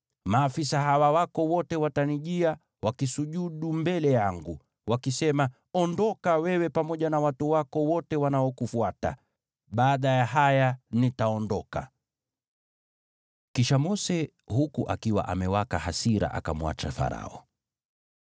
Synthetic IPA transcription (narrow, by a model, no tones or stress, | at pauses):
maːfisaɦawawakɔwɔtɛwataniʄia | wakisuʄuɗumbɛlɛjaŋɡu | wakisɛma | ɔndɔkawɛwɛpamɔʄanawatuwakɔwɔtɛwanaɔkufuata̰ | ɓaːɗajaɦajanitaɔndɔka̰ | kiʃamɔsɛ | hukuʔakiwa̰ʔa̰mɛwakahasiɾa̰ʔa̰kamuwa̰t͡ʃa̰fa̰ɾa̰ɔ̰